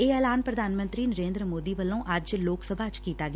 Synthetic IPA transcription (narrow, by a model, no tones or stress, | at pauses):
eːɛːlaːnpɾəd̪ʱaːnmə̃nt̪ɾiːnəɾẽːnd̪ɾəmoːd̪iːʋəlːõːʔəd͡ʒloːksəbʱaːd͡ʒkiːt̪aːɡɪ